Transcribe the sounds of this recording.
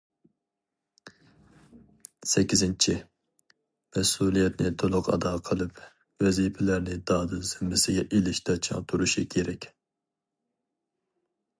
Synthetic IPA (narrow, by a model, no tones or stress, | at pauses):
sɛkʲːizɪnt͡ʃʰi | mɛsulˠijɛt̪nɪt̪ʰolˠʊqɑ̰d̪ɑːqʰəlˠɨp | wɛzipʰɛlæɾnɪd̪ɑːd̪ɨz̥ɪmːɪsɪɡʲɛʔelɪʃt̪ʰɛt͡ʃʰɑ̰ŋt̪ʰuɾuʃikʲʰeɾɛkʲ